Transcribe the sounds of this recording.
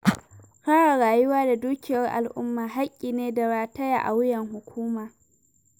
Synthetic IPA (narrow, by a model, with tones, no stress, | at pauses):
kaː˦ɽa˨ɽaː˨jʊ˦waː˦da˨duː˦kʲɪ˨jɐ˦rʔa̰˨lʔʊ˦mːaː˨ɦa˦kʲʼːiː˨neː˦da˨ɽaː˨tɐ˦ja̰˨ʔa˨wɪ˦jɐ˨ŋɦʊ˨kʷuː˦maː˨